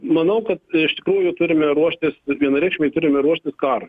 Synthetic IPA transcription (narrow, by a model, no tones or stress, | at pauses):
mɐnɐʊkɐt̪ɪʃt̪ʲɪ̥kɾuːjʊt̪ʊɾʲɪmʲɛɾuɔʃʲt̪ʲɪsʋʲiɛnɐɾʲɛɪkʃʲmʲeɪt̪ʊɾʲɪmʲɛɾuɔʃʲt̪ʲɪskɑːɾɐ